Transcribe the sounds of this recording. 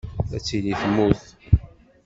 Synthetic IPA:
æt͡sːiliθmuθ

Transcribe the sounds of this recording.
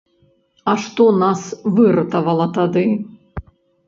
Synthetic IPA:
aʂt̪ɔnasvɨrɐt̪ɐvɐlˠɐt̪ad̪ɨ

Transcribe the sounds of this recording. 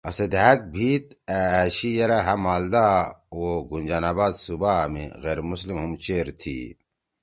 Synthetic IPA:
ɐsed̪ʱæːk̚bʱiːt̪̚æɕijɐɾaɦɐmaːld̪aːoɡunʲd͡ʑaːnaːbaːd̪subamḭɣeːɾmuslimɦumt͡ɕeːɾt̪ʰḭː

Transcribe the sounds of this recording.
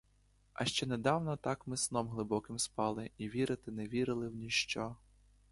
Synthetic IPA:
ɐ̰ʃt͡ʃɛnɛd̪ɑwnɔt̪ɑkmɪsnɔmɦlˠɪbɔkɪmspɑlˠɪiʋʲiɾɪt̪ɪneʋʲiɾɪlˠɪwnʲiʃt͡ʃɔ

